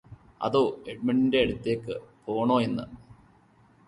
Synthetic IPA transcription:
ɐ̰ðoːeɖ̚miɳɖinde̞ɐɽut̪ːeːkːɨpo̞ːɳoːenːɨ̰

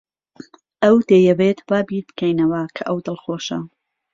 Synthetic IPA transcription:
ʔɐwd̪̥ejɐbeːt̪baːbiːɾbkʰɐjnɐwɐkʰɐʔɐwd̪ɨlˠxoːʃɐ̰

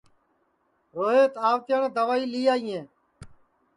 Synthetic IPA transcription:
ɾoːɦeːt̪aːʋt̪jaːɳẽːd̪əʋaːiːliːjaːĩẽː

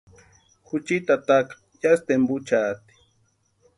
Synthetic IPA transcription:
hʊt͡ʃɪt̪at̪akḁ | jast̪embʊt͡ʃaːt̪i̥

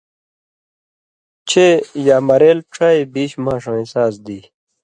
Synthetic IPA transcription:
t͡ɕʰejaːmɐɾeːlʈ͡ʂʰaːebiːɕmãːʂãːĩsaːsd̪iː

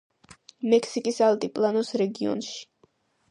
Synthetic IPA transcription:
mɛkʰsikʼisalt̪ʼipʼlˠanɔsɾɛɡiɔ̰nʃi̥

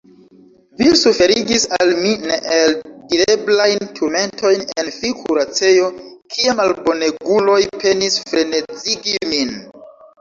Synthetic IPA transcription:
visufe̞ɾiɡisalmineʔeldileblajntʰuɾme̞ntʰo̞jnenfikʰuɾat͡se̞jo̞kʰiamalbo̞neɡulo̞jpʰe̞nisfɾe̞net͡siɡimin

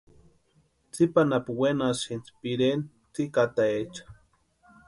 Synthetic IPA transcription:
t͡sipanapuwenasint͡spiɾen | t͡sikat̪aet͡ʃḁ

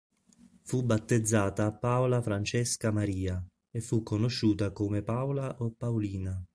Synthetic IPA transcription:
fubːat̪ːed̪zːaːt̪aːpːawlafɾant͡ʃeskamaɾiːa | efːukːonoʃːuːt̪akomepawlaʔopːawliːna

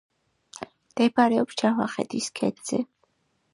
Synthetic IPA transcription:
md̪̥ɛbaɾɛɔpsd͡ʒavaχɛ̰d̪iskʰɛ̰d̪z̥ɛ

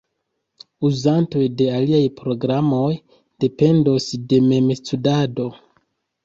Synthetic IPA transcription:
uzanto̞jde̞aliajpɾo̞ɡɾamo̞j | d̥e̞pe̞ndo̞sde̞me̞mstudado̞

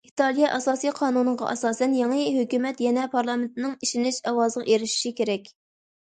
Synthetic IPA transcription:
it̪ʰɑlˠijɑʔɑsɑːsijqʰɑːnunɨʁɑ̰ʔɛsɑːsɛnjɑŋɨɦøkʲymɛt̪jɛnɛpʰɑɾlˠɑment̪nɪŋiʃinɪʃɛwɑːzɨnʔeɾɪʃi̥ʃikʲeɾɛkʲ

